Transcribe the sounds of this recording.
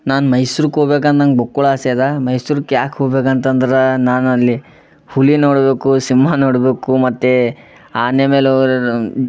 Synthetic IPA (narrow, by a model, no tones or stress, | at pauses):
naːnmɐjsuːɾukɦoɡbeːk̬ɐnt̪ɐnɡbokːɔɭaːseːd̪amɐjsuːɾukːjaːkɦoːɡbeːkɐnt̪ɐnd̪ɾenaːnɐlːi | hulinoːɽbeːkusimːanoːɽbeːkumɐt̪ːe | aːnemeːloːɡɾ